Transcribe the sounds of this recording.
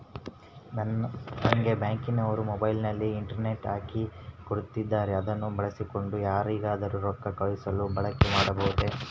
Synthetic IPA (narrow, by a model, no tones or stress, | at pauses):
nɐnɐŋɡe̞baːŋkinɐʋɐɾumɔbɐjlnɐlːiːɳʈɐɾne̞ʈaːkikoɽut̪ːid̪ːaːɾeɐd̪ɐnːubɐɭɐsiko̞ɳɖujaːɾiːɡaːd̪ɐɾuɾɔkːɐkɐɭisɐlubɐɭɐkemaːɽɐbɐɦut̪ːe